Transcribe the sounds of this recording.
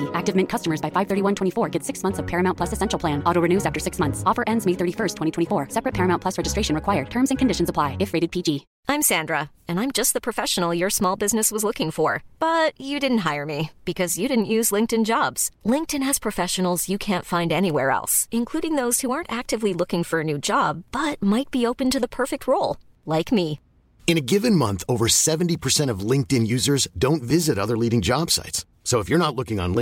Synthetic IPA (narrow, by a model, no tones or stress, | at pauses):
ʔæk̚tɨvmɪ̃nkʰʌstəmə˞zbaɪfaɪv̥θɜ˞ɾiwʌ̃ntʰwɛ̃ifɔɹɡɛtsɪksmʌ̃nθsʌv̥pʰɛɹɨmãʊ̃npʰlʌsɨsɛ̃nʃl̩ˠʰl̥æ̃nʔɔɾoʊɹɨnʉzæftə˞sɪksmʌ̃nθsɔfə˞ʔɛ̃ndzmeɪθɜ˞ɾifɜ˞stʰwɛ̃itʰɛ̃ifɔɹsɛpɹɨt̚pʰɛɹɨmãʊ̃npʰlʌsɹɛd͡ʒɨstɹ̥eɪʃɨ̃nɹɨkʰwaɪə˞d̚tʰɜ̃˞mzɨ̃nkʰɨ̃n̩dɪʃn̩zəpʰl̥aɪɨfɹeɪɾɨd̚pʰid͡ʒi | ãɪ̃msæ̃ndɹə | ɨ̃nãɪ̃md͡ʒʌst̪̚ðəpʰɹ̥ɨfɛʃn̩l̩ˠjə˞smɔlˠbɪznɨswʌzlʊkɪ̃ŋfə˞b̥ʌt͡ʃɨdɪdⁿn̩t̚ɦaɪə˞mib̥ɨkʰʌzjɨɾɪdⁿn̩ʔjʉzlɪ̃ŋk̚tɨ̃nd͡ʒɑbz̥lɪ̃ŋk̚tɨ̃nɨz̥pʰɹ̥ɨfɛʃɨn̩l̩ˠzjɨkʰæ̃ntfãɪ̃ndɛniwɛɹɛ̰lˠsɨ̃nkʰl̥uɾɪ̃ŋðoʊz̥huɑɹntæk̚tɨvlilʊkɪ̃ŋfə˞ɨnʉd͡ʒɑbb̥ʌt̚maɪt̚b̥ioʊpɨ̃ntɨðəpʰɜ˞fɨk̚t̚ɹoʊlˠ | laɪkmi | ɨ̃ñɨɡɪvɨ̃nmʌ̃nθoʊvə˞sɛṽn̩tipʰə˞sɛ̃ɾ̃ʌvlɪ̃ŋk̚tɨ̃njʉzə˞zdõʊ̃ntvɪzɨɾʌðə˞liɾɪ̃ŋd͡ʒɑb̥sa̰ɪts | soʊəfjə˞nətˡlʊkɪ̃ŋə̰̃nlɪ̃